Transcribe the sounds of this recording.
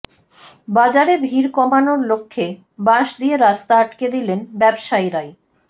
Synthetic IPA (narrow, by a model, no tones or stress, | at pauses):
bad͡ʑaɾebʱiɾkɔmanoɾlokʰːe | baʃd̪ijeɾast̪aaʈked̪ilenbɛbʃajɾae